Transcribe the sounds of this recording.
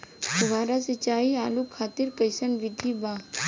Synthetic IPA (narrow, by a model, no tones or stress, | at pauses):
tʊʋaːɾasɐt͡ʃaːiaːlukʰaːt̪ɪɾkɐjsənʋɪd̪ʱibaː